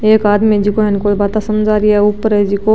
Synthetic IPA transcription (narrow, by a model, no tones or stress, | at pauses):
eːkaːd̪med͡ʒiːkoɦɛ̃nkoːlbaːt̪asɐmd͡ʒaːɾiɛʊpːəɾɛd͡ʒiːko